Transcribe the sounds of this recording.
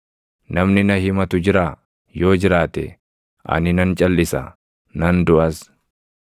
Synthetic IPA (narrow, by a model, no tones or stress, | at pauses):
nɐmnɪnɐhɪmɐt̪ʊd͡ʒɪɾaː | jo̞ːd͡ʒɪɾaːt̪ɛ̰ | ʔɐ̰nɪnɐnt͡ʃʼɐlːɪsɐ̰ | nɐnd̪ʊʔɐs